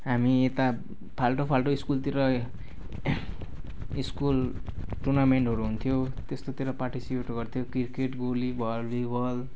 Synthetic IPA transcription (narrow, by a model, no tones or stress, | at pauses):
ɦamiet̪a | pʰalʈopʰalʈoiskult̪iɾʌ | iskul | ʈurnameɳʈɦʌɾuɦunt̪ʰijot̪est̪ot̪iɾʌparʈisipeʈɡʌrt̪ʰjokirkeʈɡolibʱʌbibʌl